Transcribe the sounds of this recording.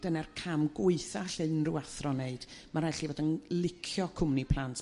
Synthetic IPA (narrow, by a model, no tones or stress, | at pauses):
d̥ənɛrkʰamɡʊɨθaɬɨnruaθrɔneɨd̥maɾɛɬivoːdənlɪkʰjɔkʰʊmnipʰlˠantʰ